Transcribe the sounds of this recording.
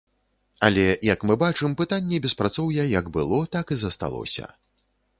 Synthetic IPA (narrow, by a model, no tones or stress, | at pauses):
ɐlʲɛjɐkmɨbat͡ʂɨmpɨt̪anʲːɛbʲɛspɾat̪sɔwjɐjɐɡbɨlˠɔt̪akizɐst̪a̰lˠɔ̰sʲɐ̰